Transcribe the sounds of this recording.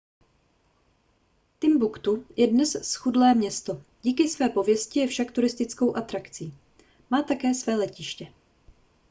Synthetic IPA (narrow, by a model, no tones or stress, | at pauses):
t̪ɪmbukt̪ujɛdnɛssxudlɛːmɲɛst̪o̞ɟiːkɪsvɛːpo̞vjɛscɪjɛfʃakt̪uɾɪst̪ɪt͡sko̞wʔat̪ɾakt͡siː | maːt̪akɛːsvɛːlɛcɪʃcɛ